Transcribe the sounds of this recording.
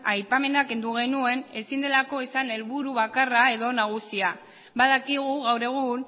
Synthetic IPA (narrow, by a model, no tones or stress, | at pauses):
ajpame̞nake̞nd̪uɣ̞e̞nue̞ne̞sind̪e̞lako̞isane̞lβuɾuβakarae̞ðo̞naɣ̞usia | baðakiɣ̞uɣawɾe̞ɣ̞un